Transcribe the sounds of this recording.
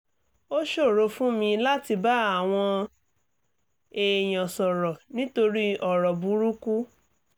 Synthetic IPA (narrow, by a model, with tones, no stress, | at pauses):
o˦ʃo˦˨ɾo˧fũ˦mĩ˧la˦ti˧ba˦a˦˨w̃ɔ̃˧ | e˨j̃ɔ̃˨sɔ˨ɾɔ˨nĩ˦to˧ɾi˦ɔ˦˨ɾɔ˨bu˨˦ɾu˦ku˦